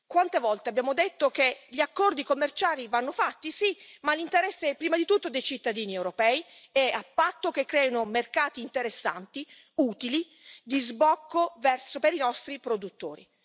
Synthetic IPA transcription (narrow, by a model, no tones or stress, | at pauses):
kwant̪evɔlt̪eabːjaːmod̪et̪ːokeʎiakːɔrd̪ikomːert͡ʃaːlivanːofat̪ːisimalint̪eɾɛsːeɛpːɾiːmad̪it̪ut̪ːod̪ejt͡ʃit̪ːad̪iːniewɾopɛːi | ɛapːat̪ːokekːɾɛːonomerkaːt̪iːnt̪eɾesːa̰nt̪i | uːt̪ili | d̪izbɔkːovɛrsopeɾinɔst̪ɾipɾod̪ut̪ːo̰ːɾḭ